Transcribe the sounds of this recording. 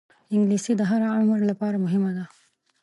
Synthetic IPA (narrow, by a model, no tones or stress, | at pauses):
ɪŋɡliːsid̪əɦaɾaʕʊmɾlapaːɾamʊɦɪmad̪a